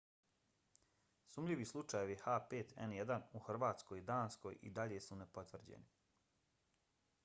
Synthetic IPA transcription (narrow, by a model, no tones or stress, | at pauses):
suːmʎiʋislˠut͡ʃajeʋiexaːpeːt̪ʰɛ̰njed̪anuxr̩ʋaːt̪sko̞jid̪aːnsko̞̰jʔḭd̪aʎesunepo̞t̪ʋrd͡ʑḛni